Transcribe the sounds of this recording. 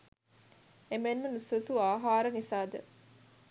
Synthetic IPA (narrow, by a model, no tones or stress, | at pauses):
emenːunususuaːɦaːɾənisaːd̪ə̰